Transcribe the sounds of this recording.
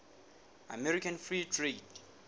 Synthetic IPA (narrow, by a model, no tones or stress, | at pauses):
a̰mɛɹikʰãnfɹitʰɹet